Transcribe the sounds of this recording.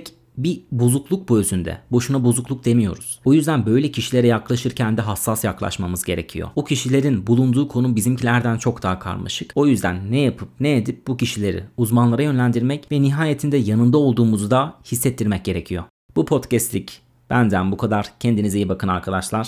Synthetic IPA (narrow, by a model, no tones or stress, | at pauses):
c | bibuzuklˠuk̚buøzynd̪ɛ̰bo̞ʃunabozuklˠuk̚d̪e̞mijo̞̰ɾuz̥ojyzd̪ænbø̞jlʲɛcʰiʃilʲe̞ɾɛjaklˠaʃɯɾcʰænd̪ɛɦasːasjaklˠa̰ʃmamɯzɟe̞ɾe̞̰cʰijo̰bucʰiʃilʲe̞ɾinbulˠund̪uːkʰo̞nubizimcʰilʲæɾd̪ænt͡ʃʰo̞kd̪aɦakʰa̰ɾma̰ʃɯko̞jyzd̪æ̰nːɛjapʰɯp̚nejed̪ip̚buciʃilʲe̞ɾḭuzmanlˠaɾajø̞nlʲænd̪iɾmɛcvɛniɦaːjet̪ʰind̪ɛjanɯnd̪ao̞lˠd̪uːmuzud̪ahisːɛt̪ʰːiɾmɛc̚ɟe̞ɾe̞cʰijo̞ | b̥upʰo̞t̪cɛst̪lʲic | b̥ænd̪ænbukʰad̪aɾ̥cʰɛnd̪inizejibakʰɯnaɾkʰad̪aʃlˠaɾ̥